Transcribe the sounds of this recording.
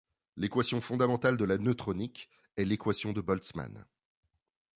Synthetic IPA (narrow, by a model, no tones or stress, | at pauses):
lekwasjɔ̃fɔ̃d̪amɑ̃t̪ald̪əlanøt̪χɔnik | ɛlekwasjɔ̃d̪əbɔlt̪sma̰n